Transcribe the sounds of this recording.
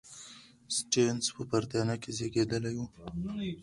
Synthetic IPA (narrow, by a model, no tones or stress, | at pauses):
sʈenspəpaɾt̪jɑnakezeɡed̪əlajwu